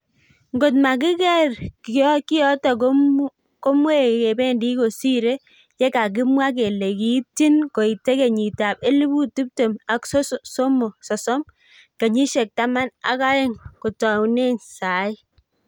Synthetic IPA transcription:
ŋɡo˨t̬ma˨k̬ɪ˦kɛ˦ɾkki˦jɔ˦ta˨ko | ko˦mwe˦ke˨be˦ndi˦ko˨si˦ɾe˦ | t͡ʃɛ˦ka˨k̬ɪ˦mwa˦k̬e˨le˨ki˨˦ti˦nko˨i˨te˦ke˨ɲi˨ta˨pe˦li˦bu˦ti˦p̚te˨ma˨kssɔ˦mɔ˨sɔ˨sɔ˦m | ke˨ɲi˦ʃɛ˨k̚ta˦ma˦na̰˦ka˦ɛ˦ŋko˨tɔ˨wne˦nsa˨ɪ˦

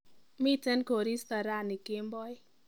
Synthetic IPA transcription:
mi˦tɛ˦nko˨ɾi˦st̪a˨ɾa˦˨nɪ˨kɪ˦mbɔ˦j

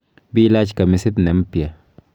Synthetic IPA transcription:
bi˦la˦t͡ʃka˨mi˧si˦d̪ne˨˦mpja˨

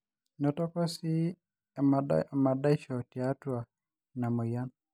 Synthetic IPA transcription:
nɔ˨tɔ˦kɔ˦si˦˨ | ma˨da˦ʃɔ˨ti˨a˦twa˨ | na˨mɔ˨ja˦n

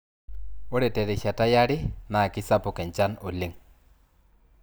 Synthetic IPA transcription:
o˦ɾɛ˨tɛ˨ɾɛ˨ʃa˨ta˦ja˦ɾɪ˦na˨kɪ˦sa˦pʊ˨kɛ˨ɲt͡ʃa˦no˨li˦ŋ

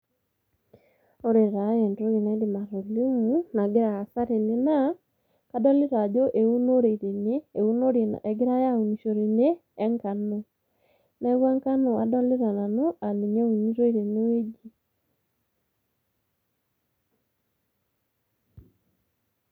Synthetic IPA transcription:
o˦ɾe˨ɾa˨˦ɛ˨ndo˦ɣe˨na˨˦de˨ma˨ɾo˨li˦mu˦na˨ɡe˦ɾa˨a˨sa˦ɾe˨ne˨na˦ | ka˦dɔ˦le˦ɾa˨d͡ʒo˦ʔe˨u˦no˦ɾe˨iɾe˨neː˦˨u˦no˦ɾje˨na̰˨ʔɛ˨ɡe˦ɾa˦ja˦u˨ni˨ʃo˨ɾe˨neː˦ | ŋka˨no | nɛ˦ɣwa˦ŋka˦no˨a˨dɔ˦le˦ɾa˨na˨no˦ʔa˨li˨ɲa˦u˨ni˦ɾo˦iɾe˨ne˦we˦d͡ʒi˦

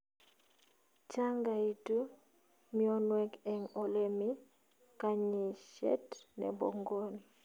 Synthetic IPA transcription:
t͡ʃa˦ŋɡa˨i˨tu˦ | mi˦ɔ˦nwɛ˦kɛ˨ŋo˨lemi˦ | ka˦ɲi˨ʃɛ̰˦tnɛ̰˨bo̰˨ŋɡo˦n

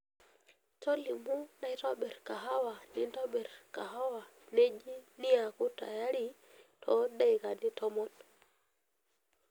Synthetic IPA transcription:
to˦li˨mu˦na˦jto˦ɓɛ˨ɾka˨ɦa˦wa˨ni˦ntɔ˦ɓɛ˨ɾka˨ɦa˦wa˨ | ne˦d͡ʒi˦ni˦ja˨ku˦ta̰˨ja˦ɾi˦ | tʰɔ˨˦da˦jka˨ndi˦tʰɔ˦mɔ˦t

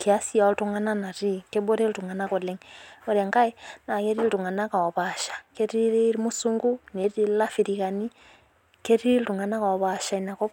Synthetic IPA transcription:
ke˨a˦si˦a˨˦ltu˦ŋa˦na˦na˨ɾi˦ke˦bo˦ɾe˦ltu˨ŋa˨na˦ko˨le˦ŋo˨ɾa˨ŋka˦e˦na˨ŋe˦ɾi˦ltu˨ŋa˨na˦ka˨ɔ˨βa˨ʃḁke˦ɾiɾi˦ɾi˦mu˦suŋɡu˦ne˨ɾi˦la˦fi˨ɾiɣa˨ni˦ | ke˦ɾi˦ltu˨ŋa˨na˦ka˨βa˨ʃa˨i˨na˨kɔ˦

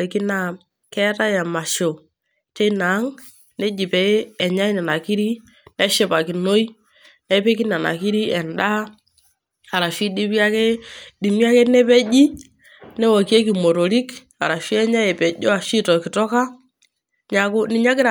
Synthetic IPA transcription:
ki˦na˦˨ | kɛ˦ta˦jɛ˨ma˨ʃo˨ | t͡ʃe˦na˨˦ŋ | nɛ˦d͡ʒi˨pɛ˨˦ɛ˨ɲa˦i˦nɛ˨na˨ki˦ɾi˦ | nɛ˦ʃɪ˦pa˨ki˨no˦i˦ | nɛ˦pe˦ki˦na˨na̰˨ki˦ɾi˦ɛ˨nda˦ | a˨ɾa˨ʃi˦ɗi˦pi˦a˦ke˦di˨mi˦a˦ke˦nɛ˦pɛ˦d͡ʒi˦ | nɛ˦wa˨ki˦e˦ki˨mo˨to˨li˦k | a˨ɾa˨ʃi˦ɛ˦ɲa˦jɛ˨pɛ˨d͡ʒɔ˦a˨ʃi˦tɔ˨kɪ˨tɔ˦ka˦ | ɲa˨kʊ˦nɪ˨˦ɲa˦k̬ɪ˦ɾa˨

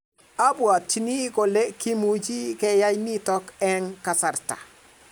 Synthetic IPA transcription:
a˦bu˨a˨tːi˦ni˦ko˨le˦ki˦mu˦d͡ʒi˦ke˦ja˦jni˦tɔ˦kɛ˦ŋka˨sa˨ɾta̰˨

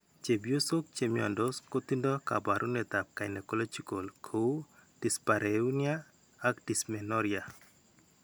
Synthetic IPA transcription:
t͡ʃe˨bjo˦so˦k̚t͡ʃemjɔ̰˨ndosko˦t̪i˦ndɔ˦ka̰˨baɾʔu˦nɛt̪a˨p̚ka˨jne˨ko˦lo˦t͡ʃi˦ko˨lkʰou˦d̥i˨spa˨ɾeuniaː˦ | kdi˨smɛnɔɾia˨

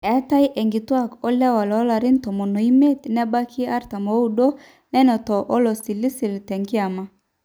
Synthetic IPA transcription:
ɛ˨˦ta˦i˦ʔɛ˨ŋɡi˨twa˦kɔ˦lɛ˦wa˨lɔ˨˦la˨ɾi˦n˦tɔ˨mo˨no˨i˦me˦tnɛ˦ba˦kʰi˦a˦ɾta˨mo˨˦u˨ɗo˦ | nɛ˦nɔ˨tɔ˨ʔɔ˦lɔ˨si˨li˦si˨ltɛ˨ŋɡi˦a˨ma˦

